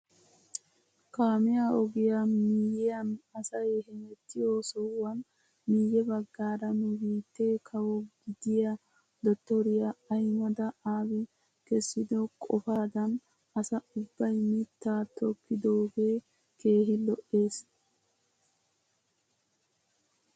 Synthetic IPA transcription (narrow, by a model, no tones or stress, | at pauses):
kaːmɪjaːɔɡɪjamiːjɛjɐnɐsɐjhɛmɛt̪ːɪjoːsɔwɐn | miːjɛbɐɡːaːɾɐnʊbiːt̪ːeːkʰɐwɔɡɪd̪ɪja | d̪ɔt̪ːɔɾɪjaɐjmɐd̪ɐaːwɪ | kɛsːɪd̪ɔkʼɔfaːd̪ɐn | ɐsɐʊbːɐjmɪt̪ːaːt̪ɔkːɪd̪oːɡe̞ː | ke̞ːhɪlɔʔe̞ːs